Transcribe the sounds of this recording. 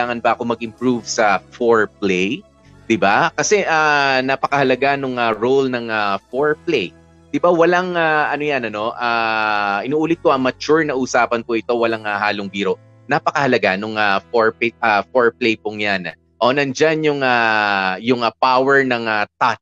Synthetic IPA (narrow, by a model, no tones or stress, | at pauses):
aːŋɐnbɐʔɐko̞mɐɡ̚ʔɪmpɹuvsɐfoɹplɛj | d̪ɪbakɐsɛʔanɐpɐkɐhɐlɐɡanʊŋɐɾowlnɐŋafoɹplej | d̪̥ɪbawɐlaŋaʔɐnojanɐno̞ʔaʔɪnuːʔuːlɪt̪̚koʔɐmɐt͡ʃuɹnɐʔʊsaːpɐnpoʔɪt̪o̞wɐlaŋahaːloŋbiːɾo̞ | nɐpɐkɐhɐlɐɡanʊŋafoɹpɪt̪̚afoɹplejpʊŋjan | ʔoːnɐnd͡ʒanjʊŋajʊŋɐpawɛɹnɐŋɐt̪at̪̚